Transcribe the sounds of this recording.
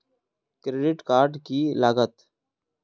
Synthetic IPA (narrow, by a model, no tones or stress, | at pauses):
kɾeːɖɪʈkaːɾɖkilaːɡət̪